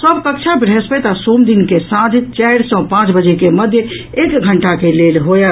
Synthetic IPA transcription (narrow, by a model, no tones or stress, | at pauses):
səbkəkt͡ʃʰabɾespɛt̪asomd̪inkesãd͡ʒʱt͡ʃɛɾsə̃pãt͡ʃbəd͡ʒekeməd̪ʱjə | ekɡʱəɳʈakelelɦoje